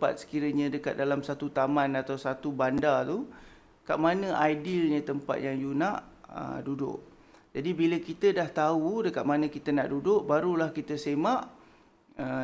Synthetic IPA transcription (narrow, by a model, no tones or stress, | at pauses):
pa̰t̪̚sə̥kiɾəɲə̃dəkat̪̚dalamsat̪ut̪amãnat̪awsat̪ubandat̪u | kaʔmanə̃ʔajdɪlɲə̃t̪əmpa̰t̪̚jaŋjunaʔə̰dudʊ̰ʔ | d͡ʒadibiləkit̪ədaht̪audəkat̪̚manə̃kit̪əna̰ʔdudʊʔbaɾulahkit̪əsemaʔ | ə